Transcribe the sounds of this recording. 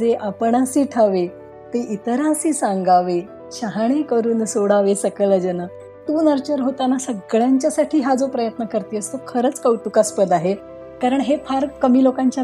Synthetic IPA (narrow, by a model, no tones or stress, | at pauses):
d͡zeʔapəɳ̃asiːʈʰəʋe | t̪eʔit̪əɾasiːsãŋɡaʋe | ɕəɦaɽ̃ekəɾuːnsoɽaʋesəkələd͡ʑəna | t̪uːnəɾt͡ɕəɾɦot̪anasəɡɭjaɲt͡ɕjasaʈʰiːɦad͡zopɾəjət̪nəkəɾt̪iəst̪okʰəɾət͡skəwʈukaspəd̪aɦe | kaɾəɳɦepʰaɾkəmiːlokãɲt͡ɕa